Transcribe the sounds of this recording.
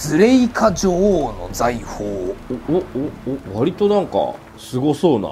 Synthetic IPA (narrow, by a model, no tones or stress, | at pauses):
z̥ɨɾe̞ikʰaʑoːno̞̰d͡zaihoːoooβaɾʲit̪o̞nãŋka̰ | sɨɡo̞so̞ːna̰